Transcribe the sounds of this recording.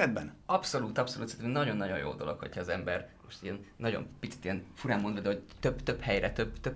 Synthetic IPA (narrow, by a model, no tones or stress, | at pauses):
ɛd̪bɛ̰nɒpso̞luːt̪ɒpso̞lṵːt̪sɛrt̪ɛminɒɟo̞nːɒɟo̞̰njo̰ːd̪o̞lo̞̰kho̞chɒːzɛmbɛrmoʃt̪ijɛnnɒɟo̰mpit̪si̥t̪ijɛnfuɾaːmːond̪vɒd̪ɛɦo̞ct̪øbt̪øbhɛjrɛt̪øbt̪øb